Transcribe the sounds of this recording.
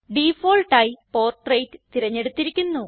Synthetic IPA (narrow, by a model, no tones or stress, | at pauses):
ɖiːfoːlʈaːjipo̞ːrʈrejtɨ̥t̪iɾɐɲːe̞ɽut̪ːiɾikʲːunːu